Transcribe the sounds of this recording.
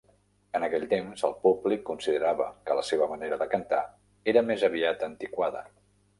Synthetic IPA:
ənəkɛʎt̪emzəlˠpublikːunsiðəɾaβəkələseβəməneɾəðəkənt̪a | eɾəmezəβiat̪ənt̪ikwaðə̰

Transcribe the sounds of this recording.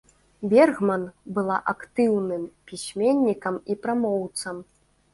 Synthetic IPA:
bʲɛrɣmɐnbɨlˠa̰ʔakt̪ɨwnɨmpʲisʲmʲenʲːikɐmipɾamɔwt̪sɐm

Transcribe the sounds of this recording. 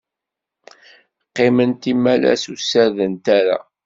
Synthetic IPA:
qːemənt̪imælæ̰susæɾðənt̪aɾa̰

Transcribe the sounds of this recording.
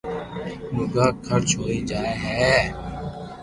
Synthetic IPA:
mʊɡaːkʰəɾt͡ʃɦoːiːd͡ʒaːeːɦɛː

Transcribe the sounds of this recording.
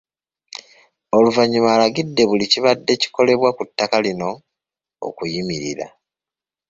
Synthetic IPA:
o̞luvaɲːimaːlaɡidːe̞βuliciβadːe̞ci̥ko̞le̞βwakutːakalino̞ | o̰kujimiɾḭɾa̰

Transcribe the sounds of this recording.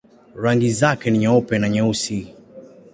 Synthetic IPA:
ɾaŋɡizakɛniɲaɔpɛnaɲausi

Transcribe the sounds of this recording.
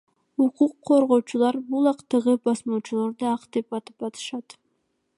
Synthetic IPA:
uquqʰːo̞ɾʁo̞ːt͡ʃulˠɑɾbulˠɑqt̪ɯʁɯbɑsmot͡ʃulˠoɾd̪ɯɑqd̪epɑt̪ɯ̥pɑt̪ʰɯ̥ʃɑt̪

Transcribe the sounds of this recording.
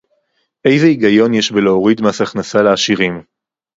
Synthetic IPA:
ʔe̞jzeiɡajo̞njeʃbeleoʁid̪masaχnasaleːʃiʁim

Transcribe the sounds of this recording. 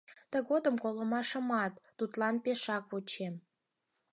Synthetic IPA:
t̪ə̆ɣod̪əmkoləmɑʃə̆mɑt̪ːut̪lɑnpeʃɑkβut͡ɕem

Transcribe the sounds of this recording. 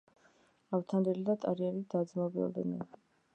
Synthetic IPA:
avt̪ʰand̪ilid̪at̪ʼaɾiɛɾid̪̥ad̪zmɔbiɔ̰ld̪ɛ̰nḭ

